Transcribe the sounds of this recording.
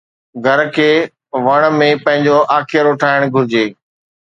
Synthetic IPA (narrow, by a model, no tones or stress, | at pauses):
ɡʱɐɾkʰeː | ʋɐɽ̃mẽpɐ̃ɦɪ̃ɲd͡ʑoʔaːkʰɪjəɾoːʈʰaːɪɽ̃ɡʱʊɾɪd͡ʑeː